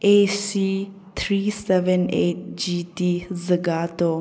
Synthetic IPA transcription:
esi | t̪ʰɾiːsɛʋəneːʈ̚d͡ʒiːtiːzəɡat̪o

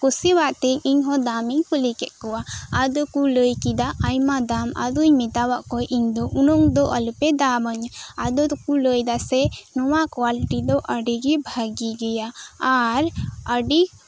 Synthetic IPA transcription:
kusiwaʔt̪ɛiɲɦɔ̃d̪amiɲkulikɛt̪̚ˀkɔwaad̪ɔkuləjkid̪aʔajmad̪ama̰d̪uɲmit̪awaʔkɔjʔiɲd̪ɔʔunɔŋd̪ɔʔalupɛd̪aməɲad̪ɔkuləjd̪asɛnɔwakwaliʈid̪ɔʔəɖiɡibʱaɡiɡɛjaː | ɾəɖi

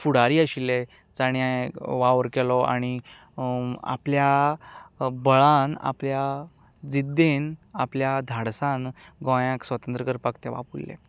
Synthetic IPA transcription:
fuɽ̤aɾiːəɕilːɛ | d͡zaɽ̃jãʋaʋəɾkɛlɔa̰ɽ̃i | a̰plja | bəɭãna̰plja | d͡zid̪ːenapljad̪ʱaɽsãnɡɔ̃jãksʋət̪ənt̪ɾəɡəɾpakt̪ɛʋa̰puilːɛ̰

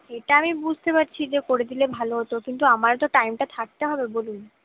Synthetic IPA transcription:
eʈaamibud͡ʑʱt̪epaɾt͡ɕʰid͡ʑekoɾed̪ilebʱaloɦot̪okint̪uamaɾt̪oʈajmʈat̪ʰak̚t̪eɦɔbebolun

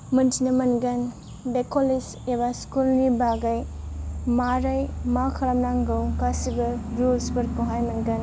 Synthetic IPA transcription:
mɐntʰinɐmɐnɡɐn | bekʰolis | eβaskulnibaɡɐj | maɾɐjmakʰɐlɐmnaŋɡɐwkasibɐɾulspɐɾ̚koɦajmɐnɡɐn

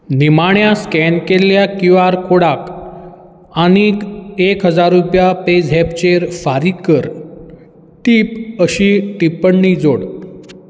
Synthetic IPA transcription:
nimaɳjaskɛnkeljakuʋaɾkoɽak | añikekɦəd͡zaɾːupjaped͡zɦɛpt͡ɕeɾfaɾikəɾ | t̪iːpəɕiːʈipəɳːid͡zoɽ

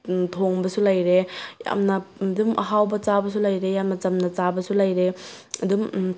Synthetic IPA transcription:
tʰoŋbɐsulɐjɾeja̰mnɐdumʔɐ̰ɦawbɐt͡ʃabɐs̬ulɐjɾejamnɐt͡ʃɐmnɐt͡ʃabɐsulajɾe | ɐdum

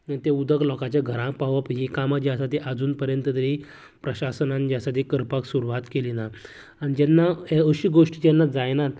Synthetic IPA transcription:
t̪eud̪əklɔkat͡ɕjaɡʱəɾãpaʋapɦikamad͡ʑiasat̪eʔad͡zuːnpəɾjənt̪əd̪əɾi | pɾəɕasənãnd͡ʑasat̪ikəɾpaksuɾuʋat̪kelina | aɽid͡ʑɛnːaəɕiːɡoʂʈd͡ʑɛnːad͡zajnat̪

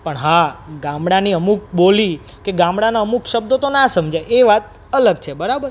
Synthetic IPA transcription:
pəɳɦaɡãmɽaniəmuk̚boli | keɡãmɽanaəmukʃəb̚d̪ot̪onasəmd͡ʒajeʋat̪̚ | ələɡ̚t͡ʃʰebəɾabəɾ

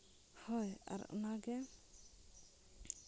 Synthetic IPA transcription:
hɔja̰ɾɔ̰naɡɛ

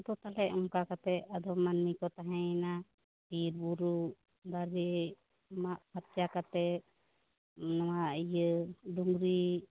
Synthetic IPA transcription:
d̪ɔt̪alɛʔɔŋkakat̪ɛad̪ɔmanːikɔt̪aɦɛ̃na | piɾbuɾu | d̪aɾɛ | maʔpat̪̚jakat̪ɛ | nawaijəd̪uŋɾi

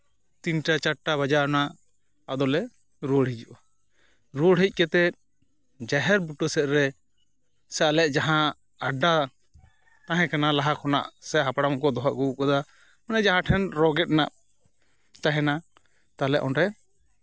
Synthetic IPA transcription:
t̪iɲʈat͡ʃaʈaβad͡ʒanaʔ | ad̪ɔlɛ | ɾoɽɦid͡ʒuʔɔ | ɾuɽɦic̚ˀkɛt̪ɛ | d͡ʒaɦɛɾbuʈɔsɛt̪̚ɾɛ | sɛalɛʔd͡ʒaɦã | aɖa | t̪ãɦɛ̃kanalaɦakɔna̰ʔsɛɦapɽamkɔd̪ɔɦaʔɡuukɔd̪a | manɛd͡ʒaɦãʈʰɛnɾɔɡɛt̪̚naʔ | t̪aɦɛna | t̪alɛʔɔnɾɛ

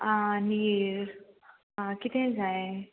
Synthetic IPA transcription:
aniɾ | ãkit̪ẽd͡zaẽ

